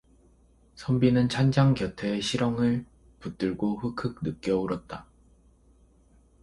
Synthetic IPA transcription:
sʰʌmbinɯnt͡ɕʰand͡ʑaŋkjʌtʰeːɕʰiɾʌŋɯɭ | put͈ɯɭɡoɸɯkʰɯk̚nɯk͈̚jʌuɾʌt̚t͈a

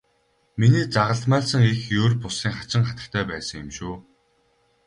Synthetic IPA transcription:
miniːt͡saʁə̆ɮt̪mæːɮsə̆ŋixjoːrpʊsiːŋχat͡ɕɪ̆ŋχat̪ə̆kt̪ʰæːpæːsə̆ŋjʊmʃuː

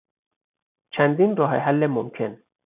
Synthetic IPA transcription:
t͡ʃʰænd̪iːnɾɒːɦeɦælːemomcʰe̞n

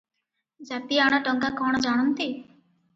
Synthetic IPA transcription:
d͡ʒat̪iaɽ̃aʈɔŋkakɔɽ̃ɔd͡ʒaɽ̃ɔnt̪i

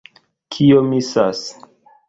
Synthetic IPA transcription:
kʰiomisas

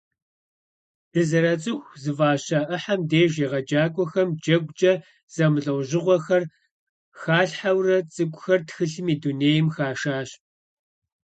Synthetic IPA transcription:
d̥ɨzɨɾɐt͡sʼɨxʷzɨvaːɕaʔɨħamdeːʒeːʁɐd͡ʒaːkʷʼɔxɐmd͡ʒɐɡʷd͡ʒʼɐ | z̥ɐmɨɮʼɐwʑɪʁʷɔxɐr | xaːɬħawrɐt͡sʼɨɡʷʼʊxɐrtxɨɬɨmiːduneːjmxaːʃaːɕ

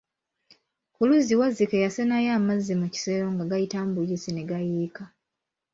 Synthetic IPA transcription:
kuluziwazikejasenajaːmazːemuci̥seɾoŋɡaɡajitambulisine̞ɡajiːka

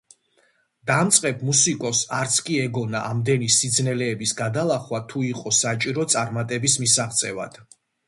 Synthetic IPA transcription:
d̪̥amt̪sʼqʼɛb̚ʰmusikʼɔsaɾt̪sʰkʼiɛɡɔnaʔamd̪ɛnisid̪znɛlɛːbisɡad̪alˠaχwat̪ʰuiqʼɔsat͡ʃʼiɾɔt̪sʼaɾmat̪ʼɛbismisaʁt̪sʼɛva̰d̪̥

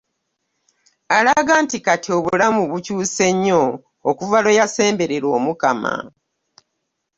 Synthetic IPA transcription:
alaɡaːntikatʰio̞βuulamuβucuːse̞ɲːo̞ː | kuvalo̞jase̞ːmbe̞ɾeɾo̞ːmukama̰

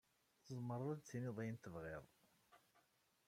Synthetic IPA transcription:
θəzˤməɾˤðˤæd̪t͡sːinɪðˤijnt̪əvʁɪðˤ

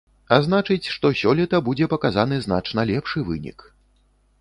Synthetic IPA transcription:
azn̪at͡ʂɨt͡sʲʂt̪ɔsʲɔlʲit̪ɐbud͡zʲɛpɐkazan̪ɨzna̰t͡ʂnɐlʲɛpʂɨvɨ̰nʲḭk

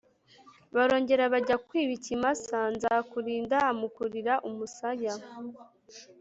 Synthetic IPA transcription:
βaɾo̞ːɲɟe̞ɾaβaɟakwiːβicimasanzakuɾiːndaːmukuɾiɾaʔumusaja

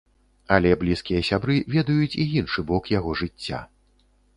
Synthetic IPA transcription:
ɐlʲɛblʲiskʲijɐsʲabɾɨvʲɛd̪ɐjut͡sʲiinʂɨbɔkjaɣɔʐɨt͡sʲːa̰

